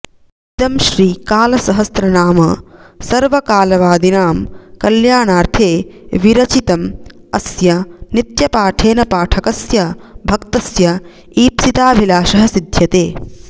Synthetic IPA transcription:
t̪ɐmʃɾiːkaːlɐsɐɦɐst̪ɾɐnaːmɐsɐɾʋɐkaːlɐʋaːd̪inaːmkɐljaːɳaːɾt̪ʰeːʋiɾɐt͡ʃit̪ɐm | ɐsjɐnit̪jɐpaːʈʰeːnɐpaːʈʰɐkɐsjɐbʱɐkt̪ɐsjɐ | iːpsit̪aːbʱilaːʃɐɦɐsid̪ʱjɐt̪eː

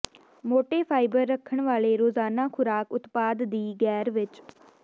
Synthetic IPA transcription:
moːʈeːpʰaːɪbəɾːəkʰːəɳʋaːleːɾoːzaːnãːkʰʊɾaːkʊt̪paːd̪d̪iːɡɛːɾʋɪt͡ʃ

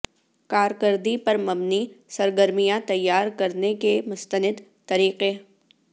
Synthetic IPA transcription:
kaːɾkəɾd̪ipɐɾmɐbnisɐɾɡəɾmijãt̪ɐjːaːɾkɐɾnekemʊst̪ənɪd̪ | t̪ɐɾiːqe

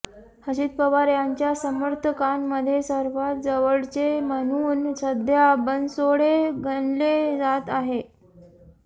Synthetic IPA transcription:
həɕiːt̪̚pəʋaɾjaɲt͡ɕjasəməɾt̪ʰəkanməd̪ʱːjesəɾʋat̪̚d͡zəʋəɭt͡semənuːnsəd̪ʱjabənsoɽeɡəɳled͡zat̪aɦe

